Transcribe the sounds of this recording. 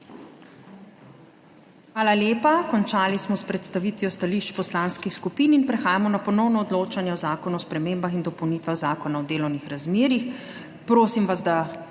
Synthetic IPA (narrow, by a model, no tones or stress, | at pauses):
xʋaːlaljeːpakɔnt͡ʃaːlismɔspɾɛt̪st̪aʋiːt̪ʋijɔst̪aliːʃt͡ʃpɔslaːnskixskupiːninpɾɛxaːjamɔnapɔnɔwnɔːd̪loːt͡ʃanjɛɔzaːkɔnuɔspɾɛmeːmbaxind̪ɔpɔwnit̪ʋaɣzaːkɔnaɔd̪eːlɔwnixɾazmeːɾix | pɾoːsimʋazd̪a